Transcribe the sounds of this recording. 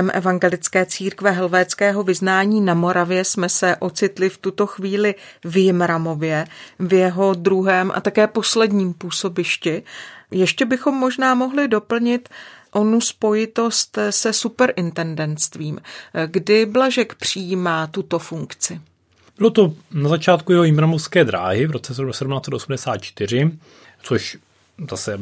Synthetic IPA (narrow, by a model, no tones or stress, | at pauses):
ɛmʔɛ̰vaŋɡɛlɪt͡skɛːt͡siːɾkvɛɦɛlvɛːt͡skɛːɦo̞vɪznaːɲiːnamo̞ɾavjɛsmɛsɛʔo̞t͡sɪt̪lɪft̪ut̪o̞xviːlɪ | vjɪmɾamo̞vjɛvjɛɦo̞dɾuɦɛːmʔa̰t̪akɛːpo̞slɛdɲiːmpuːso̞bɪʃcɪjɛʃcɛbɪxo̞mːo̞ʒnaːmo̞ɦlɪdo̞pl̩ɲɪt̪ʔo̞nuspo̞jɪt̪o̞st̪sɛsupɛɾʔɪnt̪ɛndɛnst̪viːmɡdɪblaʒɛkpr̝̥ɪjimaːt̪ut̪o̞fuŋkt͡sɪ | bɪlot̪o̞nazat͡ʃaːt̪̚kujɛɦojɪmɾamofskɛːd̪ɾa̰ːɦɪvɾot͡sɛsɛsɛdumnaːt͡sɛt̪osumdɛsaːt̪̚t͡ʃt̪ɪr̝ɪ | t͡soʃ | zasɛ